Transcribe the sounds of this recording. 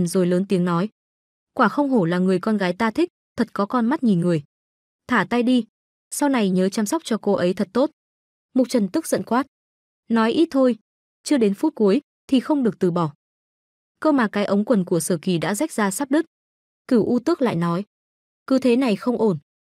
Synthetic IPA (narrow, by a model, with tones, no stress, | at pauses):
zo˨˩jləː˨˦nt̪i˨˦əŋnɔ˨˦j | kwaː˧˩xə˧wŋ͡mɦo˧˩laː˨˩ŋɨ˨˩əjkɔ˧nɣaː˨˦jt̪aː˧t̪ʰï˦˥k̟̚t̪ʰə˨˩t̚kɔ˨˦kɔ˧nma˦˥t̚ɲi˨˩nŋɨ˨˩əj | t̪ʰaː˧˩t̪a˧jɗi˧ | sa˧wna˨˩jɲəː˨˦t͡ɕaː˧msɔ˦˥wk͡p̚t͡ɕɔ˧ko˧ʔə˨˦jt̪ʰə˨˩t̚t̪o˦˥t̚ | mʊ˨˩k͡p̚t͡ɕə˨˩nt̪ɨ˦˥k̚zə̰˧˨nkwaː˦˥t̚ | nɔ˨˦jʔi˦˥t̚t̪ʰo˧j | t͡ɕɨ˧˥əɗe˨˦nfu˦˥t̚ku˨˦əj | t̪ʰi˨˩xə˧wŋ͡mɗɨ˨˩ək̚t̪ɨ˨˩ɓɔ˧˩ | kəː˧maː˨˩kaː˨˦jʔə˨˦wŋ͡mkwə˨˩nku˧˩əsəː˧˩ki˨˩ɗa̰ː˧˥za˦˥jk̚zaː˧saː˦˥p̚ɗɨ˦˥k̚ | kɨ˧˩wʔu˧t̪ɨ˦˥ək̚la̰ː˧˨jnɔ˨˦j | kɨ˨˦t̪ʰe˨˦na˨˩jxə˧wŋ͡mʔo˧˩n